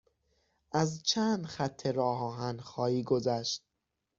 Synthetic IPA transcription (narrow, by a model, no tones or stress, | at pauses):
ʔæzt͡ʃʰænd̪xæt̪ʰːeɾɒːɦɒːɦænxɒːjiːɡozæʃt̪̚